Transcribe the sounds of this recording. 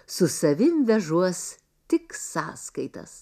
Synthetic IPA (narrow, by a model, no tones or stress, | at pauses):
sʊsɐʋʲɪmʋʲɛʒuɔs | t̪ʲɪksɑːskɐɪt̪ɐ̰s